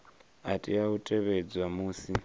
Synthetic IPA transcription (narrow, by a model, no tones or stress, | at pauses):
atʼiautʼeβed͡zwamuːsi